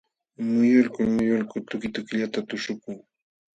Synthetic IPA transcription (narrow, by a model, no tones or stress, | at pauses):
mʊjʊlkʊlmʊjʊlkʊt̪ʊkɪt̪ʊkʎat̪at̪ʊʃʊkʊŋ